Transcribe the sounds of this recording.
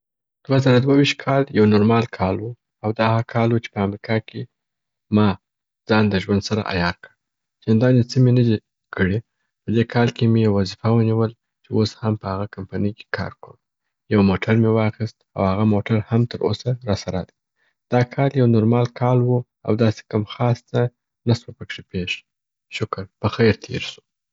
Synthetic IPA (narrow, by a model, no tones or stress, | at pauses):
d̪̥wazaɾad̪wawiʃt̪̚kʰɑljawnoɾmɑlkʰɑlwu | awd̪ɑhakʰɑlwut͡ʃe̥pəamɾikʰɑkʰe | mɑ | d͡zɑnd̪əʒwand̪saɾa̰ʔa̰jɑɾkəɽ | zɪnd̪ɑnjesimenəd̪i | kʰəɽe | pəd̪ekʰɑlkemejawːazifawəniwəl | t͡ʃewoshampəhaɣakampanəjke̥kʰɑ̰ɾkəɽ | jawmoʈʰaɾmewɑxist̪̚a̰whaɣamoʈaɾhamt̪əɾʔo̰saɾɑsaɾad̪i̥ | d̪̥ɑkʰɑljawnoɾmɑlkʰɑlwu | a̰wd̪ɑse̥kamxɑst̪a | naswəpəkʂipeʂ | ʃʊkəɾpəxajɾt̪ʰḛɾsu̥